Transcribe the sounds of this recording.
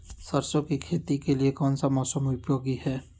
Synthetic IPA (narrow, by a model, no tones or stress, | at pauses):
sɐɾsõkikʰeːt̪ikeliekɔːnsamɔːsəmʊpjoːɡihɛː